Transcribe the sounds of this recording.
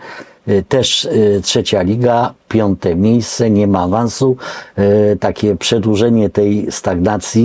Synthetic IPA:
t̪ɛʂtʂɛt͡ɕalʲiɡapʲjɔnt̪ɛmʲjejst̪sɛɲɛmaːvansu | t̪akʲɛpʂɛd̪wuʐɛɲɛt̪ɛjst̪aɡnat̪sʲji

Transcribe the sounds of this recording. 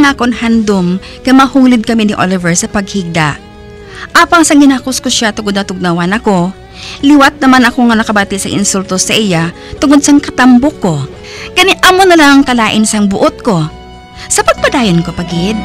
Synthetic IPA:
ŋakoŋhand̪om | nɐmɐhuːlɪd̪̚kɐminɪʔo̰lɪvɛɹsɐpɐɡ̚hiɡ̚d̪a̰ʔ | ʔaːpɐŋsɐŋɪnakʊskoʃat̪ʊŋod̪nɐt̪ʊɡ̚nɐwanɐko̞ | lɪwat̪̚nɐmanɐko̞ŋɐnɐkɐbaːt̪ɪsɐŋʔɪ̰nsult̪osɐʔɪja | t̪ʊŋod̪̚sɐŋkɐt̪ɐmbokːo̞ | kɐnɛʔɐmonɐlaŋɐŋkɐlaːʔɪnsɐŋbʊʔot̪̚ko̞ | sɐpɐɡ̚pɐd̪aːjonko̞pɐɡɪd̪̚

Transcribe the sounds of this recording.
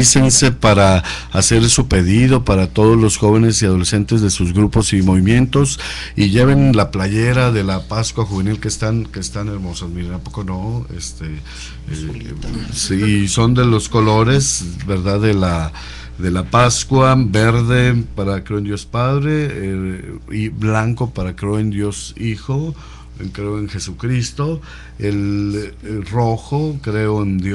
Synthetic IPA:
isense̞paɾaːse̞ɾsupe̞ðið̞o̞paɾat̪o̞ð̞ozlo̞sxo̞βe̞ne̞siað̞o̞le̞sent̪ezðe̞suzɣɾupo̞simo̞βimje̞nt̪o̞s | iʝe̞β̞e̞nlaplaʝeɾaðe̞lapaskwaxuβe̞nilkeːst̪anke̞ːst̪ane̞ɾmo̞sosmiɾet̪ampokono̞ḛst̪e | siːso̞nd̪elo̞sko̞lo̞ɾe̞zβe̞ɾðaðela | ðe̞lapaskwabeɾðe̞paɾakɾeoend̪jo̞spaðɾe̞ | iblaŋko̞paɾakɾeoend̪jo̞sixo | ekɾeoenxe̞sukɾist̪o̞ | el | ro̞xokɾe̞oend̪

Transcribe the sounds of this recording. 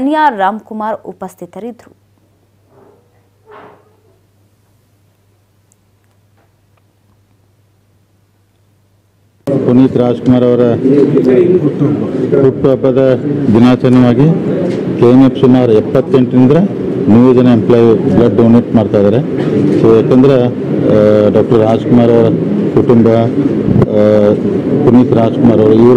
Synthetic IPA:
ɐnjaːaːmkumaːɾṵpɐst̪ʰit̪ɐɾid̪ɾu | puniːt̪ɾaːd͡ʒkumaːɾɐʋɐɾɐ | puʈːuɐbːɐd̪ɐd̪inaːt͡ʃɐnɐʋaːɡikeːmepsumaːɾɛpːɐt̪ːeɳʈnind̪ɐɾɐ | nuʋed͡ʒɐnɐemplaːjblɐɖːɐwneːʈmaːɖt̪ajd̪aːɾesojaːkend̪ɐɾe | ɖaːk̚ʈɐɾːaːd͡ʒkumaːɾɐʋɐɾɐkuʈumbɐ | puniːt̪ɾaːd͡ʒkumaːɾɐʋɐɾuiʋɐɾ

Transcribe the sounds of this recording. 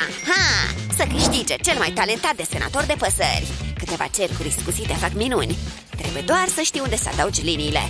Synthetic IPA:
ahasəkɨʃt̪id͡ʒet͡ʃe̞lmajt̪ale̞nt̪at̪̚d̪e̞se̞na̰t̪o̞rd̪e̞pəsə̰rʲkɨt̪e̞va̰t͡ʃe̞rkuɾiskusit̪e̞fakminunʲ | t̪ɾe̞̰bujed̪oarsəʃt̪ijund̪e̞səa̰d̪aud͡ʒʲliniːle̞̰

